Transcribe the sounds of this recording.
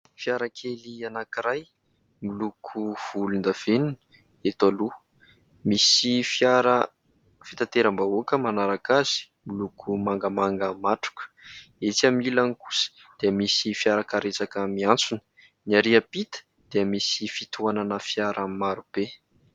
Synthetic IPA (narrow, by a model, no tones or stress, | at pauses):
fjaɾakʰelianakiɾaj | milukʰuv̥ulund̪əv̥enunə̥ | et̪alu | misifjaɾə | fi̥t̪at̪eɾəmbaokəmanaɾakaz̥i̥milukʰumaŋɡəmaŋɡəmaʈ͡ʂu̥kə̥et͡samilaniku̥sə̥ | d̪̥eəmisifjaɾəkaɾet͡sakəmiant͡sunə̥ | niaɾiəpit̪ə̥ | d̪̥eəmisifit̪uananəfjaɾʔəmaɾub̥e